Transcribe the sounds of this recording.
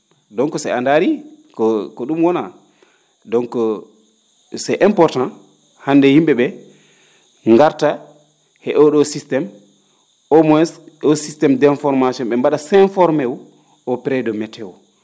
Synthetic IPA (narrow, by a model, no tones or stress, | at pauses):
dɔŋkɔsɛandaɾikɔkɔɗumwɔna | dɔŋkɔ | sɛʔɛmpɔɾtãn | handɛhimɓɛɓɛ | ŋɡaɾta | hɛʔɔɗɔsistɛm | ʔɔmɔɛsɔsistɛmdɛnfɔɾmasiɔnɓɛmbaɗasɛnfɔɾmɛw | ɔpɾɛdɔmɛtʰɛwɔ